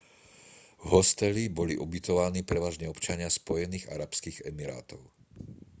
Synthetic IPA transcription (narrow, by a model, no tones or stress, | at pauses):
ɦɔst̪ɛlibɔliʔubit̪ɔʋaniːpɾɛʋaːʒɲɛɔpt͡ʃaɲɪaspɔjɛniːɣa̰ɾapskiɣɛmiɾa̰ːt̪ɔʊ